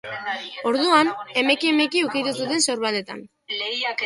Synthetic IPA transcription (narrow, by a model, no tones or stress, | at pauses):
o̞ɾðuane̞me̞kiemekiukit̪us̬ut̪e̞nso̞ɾβale̞t̪a̰n